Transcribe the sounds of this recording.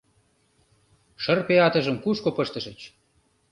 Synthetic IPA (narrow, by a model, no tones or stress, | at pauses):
ʃərpeɑt̪əʒəmkuʃkopəʃt̪əʃət͡ɕ